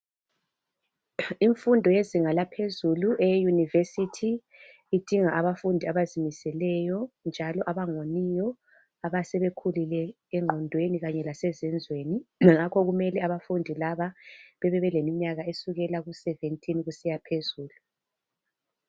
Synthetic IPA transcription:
iɱfundʱɔjeziŋalapʰezuluʔɛjunivesitʰi | id̥ʱiŋaʔaβafundʱiaβazimisɛlɛjɔnd͡ʒʱalɔʔaβaŋonijɔ | aβasɛβekʰulilɛ | ɛŋ͡ǃʱɔndʱweniɣaɲɛlasɛzɛnd͡zʱweːniŋakʰɔɣumɛlɛaβafundʱilaβaβɛβɛβɛlemiɲaɣaesuɣɛlaɣusɛventʼinɣusijapʰezuːlu

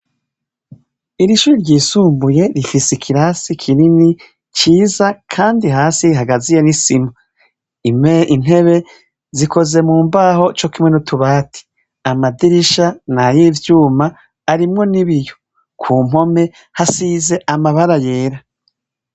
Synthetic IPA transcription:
iɾiʃuɾiɾɟiːsuːmbuje̞ɾifisekʰiɾasikʰinini | t͡ʃiːzakʰaːndiɦaːsiɦaɡazije̞nisima | imein̥e̞βe̞ | zikʰo̞ze̞muːmbaːho̞t͡ʃo̞kimŋe̞nutʰuβaːtʰi̥ | amadiɾiʃanajivjuːmaː | ɾimŋo̞niβijo̥ | kʰuːm̥ho̞me̞ | hasiːze̞ʔamaβaɾaje̞ːɾa

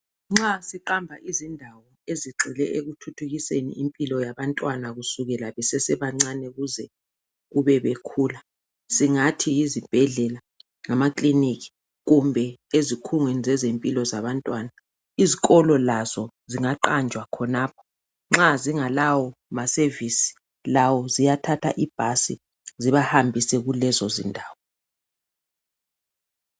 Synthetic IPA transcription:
ŋ͡ǁasiǃambʱaʔizindʱawɔeziǁʱilɛ̰ʔeɣutʰutʰuɣisenḭimpʼilɔjaβantʼwanaɣusuɣɛlaβɛsɛsɛβaŋ͡ǀanɛɣuzɛ | ɣuβɛβekʰuːla | siŋatʰijizib̥ʱɛɮɛla | ŋamakʼlinikʰi̥ | ɣumbʱɛezikʰuŋwenizɛzempʼilɔzaβantʼwana | iziɣɔlɔlazɔ | ziŋaǃand͡ʒʱwakʰɔnaːpʰɔ̥ | ŋ͡ǁaziŋalawɔmasevisi̥ | lawɔzijatʰatʰa̰ʔib̥ʱasḭ | ziβahambʱisɛɣulɛzɔzḭndʱaːwɔ

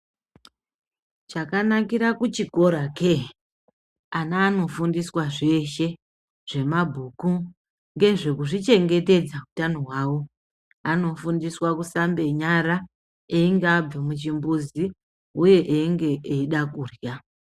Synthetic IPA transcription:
t͡ʃakanakiɾakut͡ʃiko̞ɾake | anaːno̞fundiswaʐe̞ʃe̞ | ʐ̥e̞mabʱuːku | ŋɡe̞ʐe̞kuʐit͡ʃe̞ŋɡe̞te̞d͡zautanoɦwaːwo̞ | ano̞fundiswakusambe̞ɲaɾa | eiŋɡeab͡vimut͡ʃimbuzi | uje̞ʔeŋɡe̞ʔeiɗakuːrja

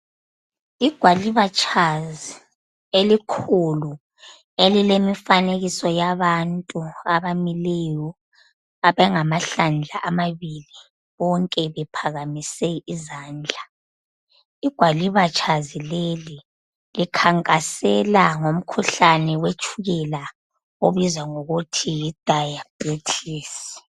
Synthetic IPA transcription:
iɡ̥ʱwaliβat͡ʃʼʰazi | elikʰulu | elilemifaneɣisɔjaβantʼuaβamilɛjɔ | aβɛŋamaɬand͡ɮʱaʔamaβili | βɔŋkʼɛβɛpʰaɣamisɛizaːnd͡ɮʱa | iɡ̥ʱwaliβat͡ʃʰʼazileli | likʰaŋkʼasɛlaŋom̩kʰuɬanɛwet͡ʃʰʼuɣɛla | oβizwaŋoɣutʰijid̥ʱajabʼet͡ɬʰiːsi̥

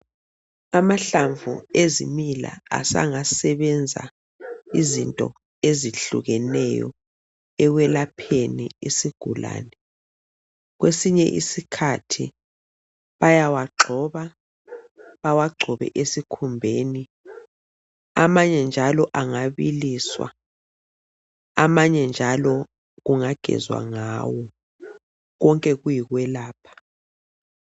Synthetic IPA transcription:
amaɬaɱvṵezḭmila̰a̰sa̰ŋasɛβɛnd͡zʱa̰ | izintʼɔ̰ | eziɬuɣɛnɛjɔ̰ | ɛwɛlapʰenḭisiɡ̥ʱula̰ːnɛ | ɣwesiɲɛʔḭsikʰatʰi | βajawaǁʱɔβa | βawaɡ͡ǃʱɔβɛ̰ʔesikʰumbʱeːni | amaɲɛnd͡ʒʱalɔʔaŋaβiliswa̰ | amaɲɛnd͡ʒʱalɔ | ɣuŋaɡ̥ʱɛ̰zwa̰ŋaːwɔ | ɣɔŋkʼɛɣujiɣwɛlaːpʰḁ

